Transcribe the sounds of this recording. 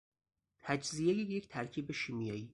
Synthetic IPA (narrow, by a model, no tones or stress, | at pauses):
t̪ʰæd͡ʒzijejeject̪ʰæɾcʰiːbeʃiːmjɒːiː